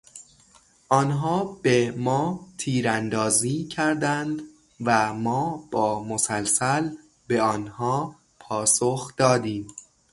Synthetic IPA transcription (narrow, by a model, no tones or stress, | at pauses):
ʔɒːnɦɒːbemɒːt̪ʰiːɾænd̪ɒːziːcʰæɾd̪ænd̪ | væmɒːb̥ɒːmosælsæl | be̞ɒːnhɒː | pʰɒːsoxd̪̥ɒːd̪iːm